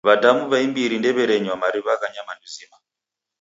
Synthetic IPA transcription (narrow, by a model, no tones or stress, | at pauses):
βadamuβaimbiɾindɛβɛɾɛɲwamaɾiβakaɲamanduzima